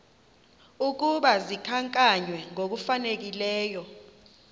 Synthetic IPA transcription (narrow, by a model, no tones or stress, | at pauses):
uk̬uɓazikʰaŋkʼaɲwɛŋok̬ufanek̬ilɛːjɔ